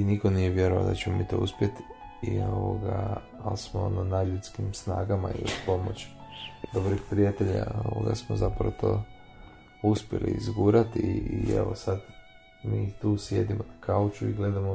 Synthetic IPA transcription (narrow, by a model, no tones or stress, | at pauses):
inikonijeʋje̞ɾoa̰ld̪at͡ɕemomiːt̪o̞̰uspjet̪ | ioʋoɡaː | lsmoononad̪ʎut̪skimsna̰ːɡama̰iospo̞mo̞t͡ɕd̪obɾixpɾijat̪eʎa̰o̰ʋoɡa̰smozapɾaot̪ʰo̞ː | uspje̞lḭizɡuɾat̪iiḛʋosad̪ | miːt̪uːsje̞d̪imonakaut͡ʃuiɡle̞d̪amo